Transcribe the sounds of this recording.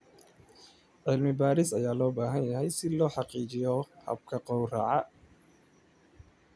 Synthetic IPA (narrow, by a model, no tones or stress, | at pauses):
ʕɪlmɪbaːɾɪsɐjaːlɔːbaːɦɐnjɐɦɛjsɪlɔːħɑqiːt͡ʃɪjɔhɐ̰b̚kʰɐqɔwra̰ːʕɑ